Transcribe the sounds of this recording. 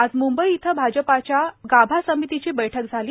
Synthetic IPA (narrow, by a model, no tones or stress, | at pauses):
ad͡zmumbəiːt̪ʰəbʱad͡ʑəpat͡ɕjaɡabʱasəmit̪it͡ɕiːbəjʈʰəkd͡zʱaliː